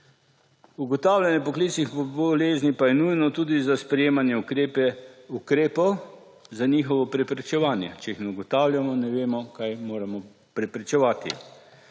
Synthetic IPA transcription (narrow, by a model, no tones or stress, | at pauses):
uɡɔt̪aːwlʲjanjɛpɔklit͡s̪snixpɔbɔleːznipajɛnujnɔt̪uːd̪izaspɾɛjeːmanjɛukɾeːpɛukɾeːpɔw | zaniːxɔʋɔpɾɛpɾɛt͡ʃɛʋaːnjɛ̰t͡ʃɛixnɛuɡɔt̪awlʲjamɔnɛʋeːmɔkajmoːɾamɔ | pɾɛpɾɛt͡ʃɛʋaːt̪ḭ